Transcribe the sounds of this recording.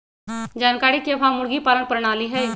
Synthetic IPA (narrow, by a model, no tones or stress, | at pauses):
d͡ʒaːnkaːɾikebʱamʊɽɡipaːlənpəɾɳaːliɦɛj